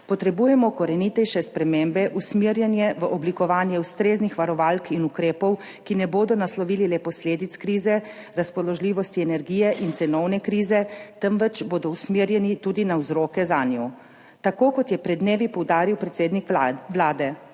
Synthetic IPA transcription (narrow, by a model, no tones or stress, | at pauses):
pɔt̪ɾɛbuːjɛmɔkɔɾɛnit̪ɛjʃɛspɾɛmembɛʔusmiɾjɛnjɛʋəʔɔblikɔʋaːnjɛuwst̪ɾeːznixʋaɾɔʋaːlkinukɾeːpɔw | kinɛboːd̪ɔnaslɔʋiːlilɛpɔsleːd̪it̪skɾiːzɛ | ɾaspɔlɔʒliːʋɔst̪iɛnɛɾɡiːjɛʔint̪sɛnɔwnɛkɾiːzɛt̪əmʋɛt͡ʃboːd̪ɔwsmiːɾjɛnit̪uːd̪inawzɾoːkɛzaːnju | t̪akoːkɔt̪jɛpɾɛd̪neːʋipɔwd̪aːɾiwpɾɛt̪seːd̪nikʋlaːd̪ɛ